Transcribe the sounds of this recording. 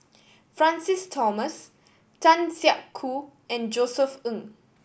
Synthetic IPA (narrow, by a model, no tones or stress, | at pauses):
fɹãnsistʰɔməs | tãnsiaʔkʰːu | ɛ̃nd͡ʒosəfə̃ŋ